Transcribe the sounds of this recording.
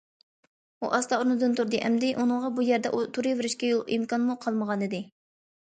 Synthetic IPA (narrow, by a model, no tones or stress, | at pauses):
ṵʔɑst̪ɑunɨd̪ɨnt̪ʰuɾd̪ɨʔɛ̰md̪ɪʔunɨŋʁɑbujæɾd̪ɛʔut̪ʰuɾɨvɪɾɪʃkʲɛjolˠʔimkɑnmuqʰɑlˠməʁɑnɨd̪ɪ